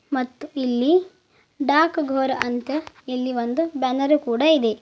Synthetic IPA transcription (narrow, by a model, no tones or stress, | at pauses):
mɐt̪ːuilːi | ɖaːkɡʱoːɾɐɐnt̪ɐ | ilːiʋond̪ubɐnɐɾukuːɽɐid̪e